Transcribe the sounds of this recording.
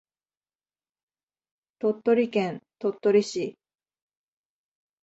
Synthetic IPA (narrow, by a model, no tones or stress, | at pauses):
t̪o̞t̪ːo̞ɾʲikẽnt̪o̞t̪ːo̞ɾʲiɕi